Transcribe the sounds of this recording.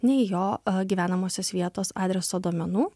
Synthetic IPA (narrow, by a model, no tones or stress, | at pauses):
nʲɛɪjoːɡʲiːʋʲæːnɐmoːsʲosʋʲiɛt̪oːsɑ̰ːd̪ʲɾʲɛsoːd̪uɔmʲɛnuː